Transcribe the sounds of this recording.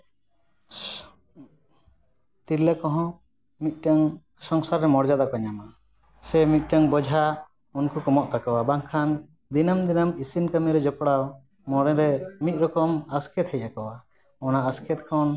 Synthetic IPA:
t̪iɾlakɔɦɔ̃ | mit̪̚ˀʈaŋ | sɔŋsaɾːɛmɔɾd͡ʒad̪akɔɲama | sɛmit̪̚ˀʈaŋbɔd͡ʒʱa | unkukɔmɔʔt̪akɔwabaŋkʰan | d̪inamd̪inamisinkamiɾɛd͡ʒɔpɽaw | mɔɾɛɾɛmit̪̚ɾɔkɔmaskʰɛt̪hɛjʔakɔwa | ɔnaaskʰɛt̪̚kʰɔn

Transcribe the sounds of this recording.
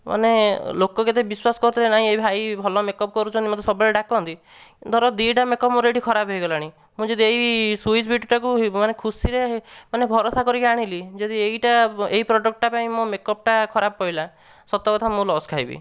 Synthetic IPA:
mʔa̰nelokɔket̪ebiswasɔ̥kɔɾut̪ʰiɾenaɦĩebʱajbʱɔlɔmekɔp̚kɔɾut͡ʃʰɔnt̪imɔd̪ɔsɔbɔɭeɖakɔnt̪i | d̪ʱɔɾɔd̪iʈamekɔpmuɾeʈikʰɔɾabɦejɡɔlaɽ̃ĩ | mũd͡ʒed̪ieɦisuisbʱiʈʈakuɦmanekʰusiɾeaɦemanebʱɔɾɔsakɔɾikaɽ̃ilid͡ʒed̪ieiʈaeipɾɔɖɔk̚ʈʈapaĩmõmekɔp̚ʈakʰɔɾabɔpɔila | sɔt̪ɔkɔt̪ʰamũlɔskʰajbḭ

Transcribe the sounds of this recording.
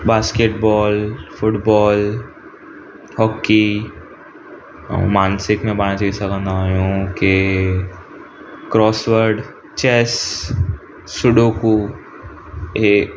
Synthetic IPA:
baːskeːʈbɔːlfʊʈbɔːl | hɔːkːi | maːnsɪkmẽbaːñat͡ʃɐɪsakə̃nd̪aːjũke | kɾɔːsʋəɾɖ | t͡ʃɛːs | ʊɖoku | e

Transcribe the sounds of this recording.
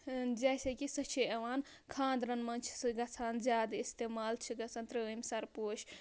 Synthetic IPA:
d͡ʒɛjsekisɐt͡ʃʰeɐʋaːn | kʰãːnd̪ɾɐnmɐnt͡ʃʰsɨɡɐt͡sʰaːnzjaːd̪ist̪eːmaːlt͡ʃʰiɡɐsɐnt̪ɾɐmʲsɐɾpoːt͡ʃʰ

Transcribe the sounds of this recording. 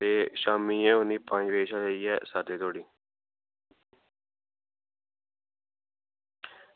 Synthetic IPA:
t̪eːʃaːmiːẽːoniːpãːĩːʋeːʃaːd͡ʒaiːɛːsaːd̪eːt̪ʰoːɽiː

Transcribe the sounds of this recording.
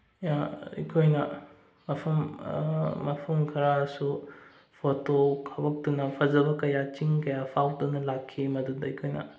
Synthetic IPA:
jaḭkʰojnɐ | mɐpʰɐmː | ɐpʰɐmkʰɐɾasu | pʰotokʰɐbɐk̚tunɐpʰɐzɐbɐkɐjat͡ʃiŋkɐjapʰawtunɐlakʰːimɐdudɐikʰojnɐ̰

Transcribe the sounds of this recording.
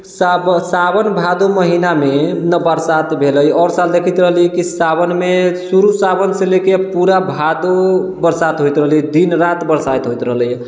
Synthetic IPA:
sabsabənbʱad̪oməɦinamenəbəɾsat̪bʱeləjɔɾsald̪ekʰit̪ɾəɦəlikisabənmesuɾusabənselekepuɾabʱad̪obəɾsat̪ɦojt̪ɾəɦəlid̪inɾat̪bəɾsajt̪ɦojt̪ɾəɦləj

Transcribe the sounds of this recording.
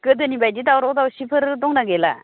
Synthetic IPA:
kəd̪ənibajdit̪awɾod̪awɕipʰəɾd̪oŋnaɡela̰

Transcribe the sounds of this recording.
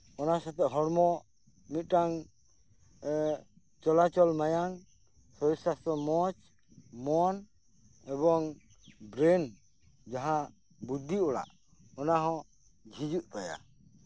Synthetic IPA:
ɔnasat̪ɛʔɦɔɽmɔ | mit̪̚ˀʈaŋ | t͡ʃɔlat͡ʃɔlmajaŋ | sɔjsasɔmɔt͡ʃ | mɔn | ɛbɔŋ | bɾen | d͡ʒaɦã | bud̪ʱiɔɽa̰ʔ | ɔnaɦɔ̃ | d͡ʒʱid͡ʒuʔt̪aja̰

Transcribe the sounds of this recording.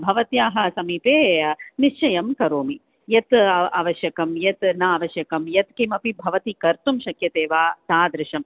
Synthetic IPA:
bʱɐʋɐt̪jaːɦɐ̆sɐmiːpeːniʃt͡ʃɐjɐmkɐɾoːmi | jɐt̪a̰ːʋɐʃjɐkɐmjɐt̪naaːʋɐʃjɐkɐmjɐt̪kemɐpibʱɐʋɐt̪ikɐɾt̪umʃɐkjɐt̪eːʋaːt̪aːd̪ɾɪʃɐm

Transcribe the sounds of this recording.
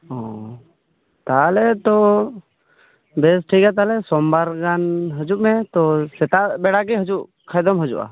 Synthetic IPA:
ɔ | t̪alɛt̪ɔ | bɛsʈʰiɡat̪̬alɛsɔmbaɾɡanɦəd͡ʒuʔmɛt̪ɔsɛt̪abɛɽaɡɛɦəd͡ʒuʔ | kʰajd̪ɔmɦəd͡ʒṵʔa̰

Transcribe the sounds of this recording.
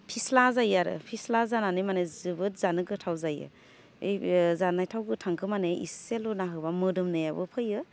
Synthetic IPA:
pʰislazajaɾɯ̰pʰislazananɯmanɯzɯbɯt̚zanɯɡɯtʰawzajɯ̰ | ḛjzanajtʰawɡɯtʰaŋkʰɯmaneḭselunaɦɯbamɯdɯmnɯjabɯ̰pʰɯjɯ

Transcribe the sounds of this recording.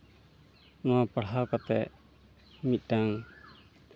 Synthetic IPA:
nɔapaɽɦakɔt̪ɛʔ | mit̪̚ˀdaŋ

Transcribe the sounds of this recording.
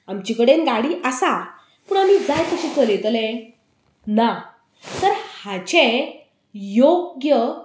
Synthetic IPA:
amt͡ɕikəɽenɡaɽiːʔəsa | pəːɳamid͡zajt̪əɕit͡səlẽt̪əlẽ | na | t̪əɾhat͡ɕẽ | joɡjə

